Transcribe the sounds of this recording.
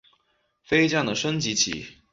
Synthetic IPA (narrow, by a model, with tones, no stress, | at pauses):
fe˥ɪt͡ɕjɑ˥˩ŋd̪ə˩ʂə˥ŋt͡ɕi˧˥t͡ɕʰḭ˨˩˦